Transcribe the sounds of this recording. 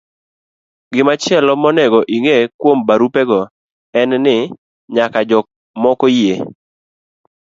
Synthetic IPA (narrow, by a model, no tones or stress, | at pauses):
ɡɪmat͡ʃɪɛlɔmɔnɛɡɔʔiŋekwombaɾupɛɡɔ | ɛnnɪ | ɲakad͡ʒɔ | mɔkoje